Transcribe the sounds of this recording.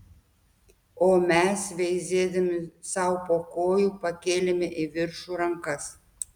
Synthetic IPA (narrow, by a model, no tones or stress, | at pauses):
oːmʲɛsʋʲɛɪzʲeːd̪ɐmʲɪsɐʊpoːkoːjuːpɐkʲeːlʲemʲɪʔiʋʲɪɾʃuːɾɐŋkɐs